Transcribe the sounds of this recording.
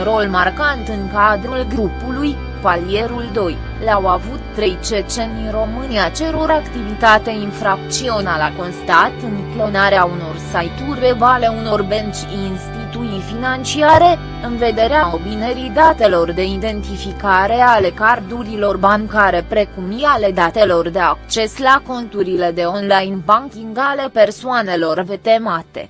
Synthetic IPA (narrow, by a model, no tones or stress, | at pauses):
unɾo̞lmarkant̪ɨŋkad̪ɾulɡɾupuluj | palije̞ɾuld̪o̞j | lawavut̪ːɾe̞jt͡ʃe̞t͡ʃe̞nd̪inro̞mɨniat͡ʃe̞ɾo̞ɾakt̪ivit̪at̪einfɾak̚t̪sio̞nalako̞nst̪at̪ɨŋklo̞naɾeauno̞rsajt̪urʲe̞vale̞uno̞rbent͡ʃʲ | inst̪it̪uifinant͡ʃiaɾe̞ | ɨnve̞d̪e̞ɾeao̞bineɾid̪at̪e̞lo̞rd̪e̞id̪e̞nt̪ifikaɾe̞ale̞kard̪uɾilo̞rbaŋkaɾe̞pɾe̞kumiale̞d̪at̪e̞lo̞rd̪e̞ak̚t͡ʃe̞slako̞nt̪uɾile̞d̪e̞o̞nlajnbaŋkʲiŋɡale̞pe̞rsuane̞lo̞rve̞t̪e̞mat̪ḛ